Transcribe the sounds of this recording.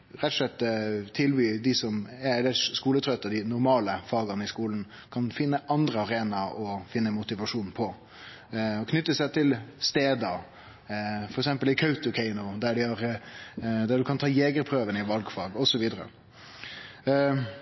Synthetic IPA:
ɾɛt̪ːɔʂlɛt̪ːt̪ʰɪlbyːd̪ɪsɔmæɛlɛskuːlət̪ʰɾœt̪ːəd̪ɪnʊɾmɑːləfɑːɡɑnəɪskuːln̩ | kʰɑnfɪnːəʔɑnd̪ɾəɑɾeːnɑɔfɪnːəmʊt̪ɪʋɑʂuːnpʰɔ | ɔkʰnʏt̪ːəsæɪt̪ʰɪlst̪eːd̪əɾ | fɔɾɛksɛmpəlɪkʰœʉt̪ʊkʰɛɪnʊd̪æɖɪhɑɾ | d̪æɖʉkʰɑnt̪ʰɑːjeːɡəɾpʰɾøːʋənəɪʋɑlɡfɑːɡɔsɔʋiːd̪əɾə̰

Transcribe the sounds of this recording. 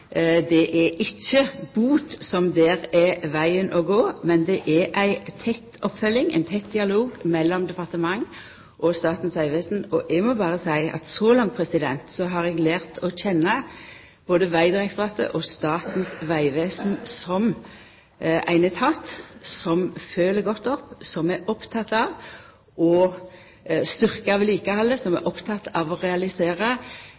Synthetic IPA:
d̪ɛʔɛʔɪçːəbuːt̪sɔmd̪ɛːʁɛʋæɪənʔɔɡoːmɛnd̪ɛʔɛʔæɪt̪ʰɛt̪ːɔpfœlːɪŋæ̰ɪnt̪ʰɛt̪d̪ɪɑloːɡmɛlːɔmd̪ɛpɑʁt̪əmɑŋ | ʔɔst̪ɑːt̪n̩sʋæɪʋeːsn̩ɔʔɛɡmɔbɑːʁəsæɪɑ̰t̪sɔlɑŋt̪pʰʁɛsɪd̪ɛnt̪sɔɦɑʁɛɡlæːʁt̪ʰɔçɛnːə | b̥oːd̪əʋæɪd̪ʁɛksʁɑt̪ə̰ʔɔst̪ɑːt̪nsʋæɪʋeːsn̩sɔm | ʔæ̰ɪnət̪ʰɑt̪sɔmføːləɡɔt̪ːɔpːsɔmæʔɔpt̪ʰɑt̪ːɑʋ | ʔɔ | st̪ʏʁkəɑʋɪliːkəhɑlːəsɔmæ̰ʔɔpt̪ʰɑt̪ʰɑʋɔʁɛɑlɪseːʁə

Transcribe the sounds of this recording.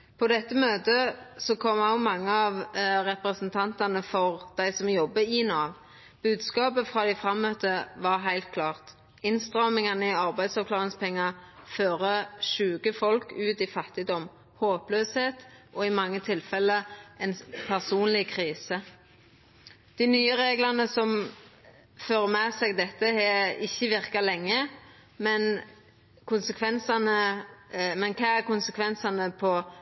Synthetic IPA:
pʰod̪ɛt̪ːəmøːt̪əsɔkʰɔmɑʊmɑŋːəɑːʋʁɛpɾəsnt̪ʰɑnt̪ɑnəfɔʁd̪̥æɪsɔmjɔbːəɪːnɑːʋ | b̥ʉːd̪skɑːpəfʁɑːd̪æɪfʁɑmœt̪əʋɑʁɦæɪlt̪̚kʰlɑːʁt̪ | ɪnst̪ʁɑːmɪŋɑnəɪɑʁbæɪd̪sɑʋkʰlɑːʁɪŋspʰɛŋːɑføːʁəʃʉːɡəfɔlkʉːt̪ifɑt̪ːɪd̪ɔm | hoːpløːsheːt̪ʔɔɪmɑŋːət̪ʰɪlfɛlːəɛnpʰæʁsuːnlɪkʰʁiːsə | d̪̥ɪnyːəʁeːɡlɑnəsɔm | føːʁəmɛːsɛːɡd̪ɛt̪ːəhɛɪçːəʋɪʁkɑlɛŋːə | mɛn | kʰʊnsəkʰʋɛnsɑnə | mɛnkʰɑːæʁkʊnsəkʰʋɛnsɑnəpʰɔ

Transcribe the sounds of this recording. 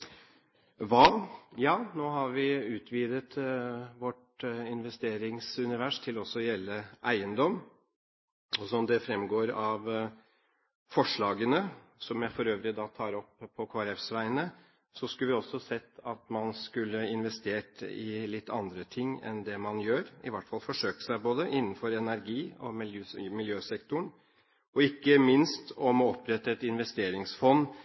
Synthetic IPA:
ʋɑːjɑːnoːɦɑɾʋɪʉːt̪ʰʋiːd̪ət̪ʋɔʈ | ɪnʋɛst̪eːɾɪŋsʉnɪʋæʂt̪ʰɪlɔsːɔjɛlːəʔæɪənd̪ɔm | ɔsɔɔmd̪ɛfɾɛmɡoːɾɑʋ | fɔʂɭɑːɡənəsɔmjæfɔɾøːʋɾɪd̪ɑːt̪ʰɑːɾɔpʰːɔkʰoːɾɛfsʋæɪnə | sɔskʉlʋɪɔsːɔsɛt̪ːɑt̪mɑnskʉlːəɪnʋɛst̪eːʈɪ̰lɪt̪ːɑ̰nd̪ɾət̪ʰɪŋːɛ̰nd̪ɛmɑnjøːɾɪ̰ʋæʈfɑlfɔʂøːkə̥ʂæɪboːd̪əʔɪnːnfɔɾɛnæɾɡiːɔmɪljmɪljøːsɛkt̪ʊɳ | ɔɪkːəmɪnst̪ɔmɔɔpːɾɛt̪ːəɛt̪ɪnʋɛst̪eːɾɪŋsfɔnː

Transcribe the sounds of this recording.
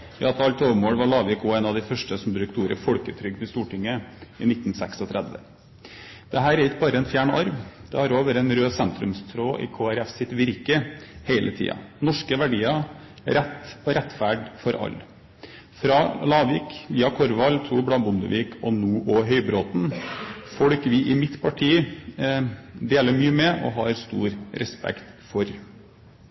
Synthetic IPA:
jɑt̪ʰɑlt̪ʰoːʋəmoːɽʋɑɭɑːʋiːkɔɛeːnɑʋd̪ɪfœʂʈəsɔmd̪ɾʉːk̚t̪uːɾə̰fɔlkət̪ʰɾʏɡd̪ɪst̪uːʈɪŋːəɪnɪt̪ːn̩sɛksɔt̪ʰɾɛd̪ʋə̰ | d̪̥ɛɦæːɾɛɾɪk̚bɑːɾəɛnfjæːɳəʔɑɾʋd̪̥ɛhɑɾoːʋəɾɛnɾøːsɛnt̪ɾʉmst̪ʰɾoːʔɪ̰kʰoːæɾɛfsɪt̪ʋɪɾkəheɪlʔət̪ʰḭːɑ̰nɔʂkəʋæɖiːɑ | ɾɛt̪ːɔɾɛt̪ːfæɖfɔɾʔɑ̰lː | fɾɑlɑːʋʋiːkʋiːɑkʰɔɾʋɑlːt̪ʰɾuːblɑbʊnd̪ə̰ʋiːkʰɔnuːʔɔɦœʏbɾoːt̪nfɔɽkʋɪʔɪmɪt̪pʰɑʈʰiː | d̪eːləɾmyːəmɛʔɔ̰ɦɑɾst̪ṵːɾɾɛspɛ̰kt̪fɔɾ

